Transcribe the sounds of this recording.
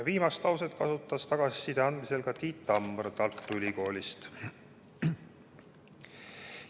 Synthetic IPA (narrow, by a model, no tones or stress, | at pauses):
viːmɑst̪lɑwset̪kɑsut̪ːˑɑst̪ɑɡ̥ɑsi̥sid̪̥eɑnd̪̥mise̞lɡɑt̪iːt̪ːˑɑmːrt̪ɑlt̪ːˑuylʲiko̞ːlʲist̪